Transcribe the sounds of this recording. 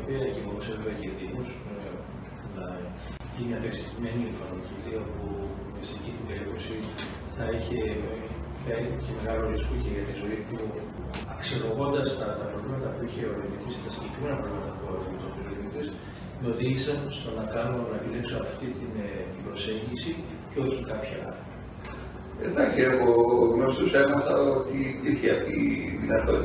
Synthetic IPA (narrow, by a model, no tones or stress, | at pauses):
opiɐecimomuseveveɐceðimus | unɐ | ʝiniɐpeksi̥t̪ime̞nieɱfɐniciliɐpu | mesecit̪iɡeekosi | θɐiçe | θɐineceme̞ɣɐloɾiskoceʝɐt̪izo̞ipu | ɐksiloɣo̞nd̪ɐst̪ɐt̪ɐpɾovlimɐt̪ɐpuiçeoðinit̪ist̪ɐscekɾimenɐpɾɐɣmɐt̪ɐpoðet̪opilinit̪is | meo̞ðiʝisɐnst̪o̞nɐkɐnonɐkiliksuɐft̪it̪int̪ibɾo̞se̞ɲɟisi | ceo̞çikɐpçɐ̰ | ḛd̪ɐsieɣoɣnost̪usemɐt̪ɐot̪iiɾçeɐft̪iinɐto